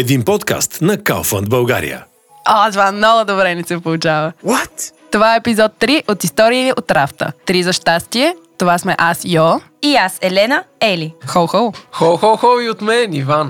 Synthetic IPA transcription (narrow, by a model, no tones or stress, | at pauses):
ɛd̪inpɔt̪ka̰st̪nɐka̰lˠfə̰nd̪bɐlˠɡa̰ɾḭjə̰ | ɔt̪ovamnɔɡʊd̪obɾɛnisɛpolˠut͡ʃavəwɔt̪t̪ovaɛːpizɔt̪ːɾiʔot̪ist̪ɔɾiiot̪ːɾaft̪ə̰t̪ɾizɐʃt̪ast̪iɛt̪ovasmɛʔasjɔ | iasɛlɛnəɛlixɔlˠxɔlˠxɔlˠxɔlˠxɔliot̪mɛnivan